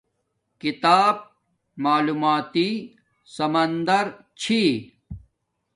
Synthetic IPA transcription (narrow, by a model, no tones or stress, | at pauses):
kit̪aːb̚ | maːluːmaːt̪i | sɐmɐnd̪ɐɾ | t͡ɕʰi